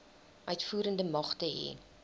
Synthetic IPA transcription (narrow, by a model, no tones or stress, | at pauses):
ʔœɥtfuːɾəndəmɐχtəɦɛ̰n